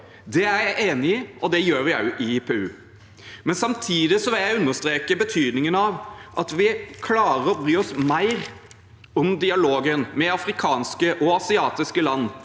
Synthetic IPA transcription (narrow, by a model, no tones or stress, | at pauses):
d̪ɛæɾjæɪʔeːnɪɪʔɔd̪ɛjøːɾjæʔɪpʰeːʉː | mɛnsɑmt̪ʰiːd̪ɪsɔʋɪljæɪʉnːəst̪ɾeːkəbət̪ʰyːd̪nɪŋənɑʋʔɑt̪ʋɪkʰlɑːɾəɔbɾyːɔsmæɪɾ | ɔmd̪ɪɑloːɡənmɛɑfɾɪkʰɑːnskəʔɔɑsɪɑːt̪ɪskəlɑnː